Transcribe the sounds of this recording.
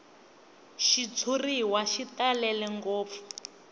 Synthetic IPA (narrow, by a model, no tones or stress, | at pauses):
ʃit͡sʰuriwaʃitalɛlɛŋɡɔːp̪fu̥